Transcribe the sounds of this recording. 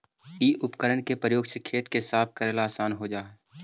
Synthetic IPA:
iːʔʊpkəɾəɳkepɾəjoːɡsekʰeːt̪kesaːp̚ʰkəɾeːlaːsaːnɦod͡ʒaːɦɛ

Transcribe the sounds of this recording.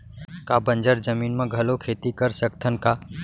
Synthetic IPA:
kabə̃nd͡ʒəɾd͡ʒəmiːnmẽɡʱɐlokʰeːt̪ikəɾsəkt̪ʰənka

